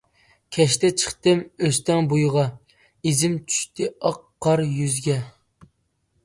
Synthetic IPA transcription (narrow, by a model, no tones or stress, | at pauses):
kʲʰɛʃt̪ɛt͡ʃʰə̥χt̪ɨmøst̪ɛŋbujʁɑ | izɪmt͡ʃʰy̥ʃt̪ʰɪɑqːɑɾjyzɡʲɛ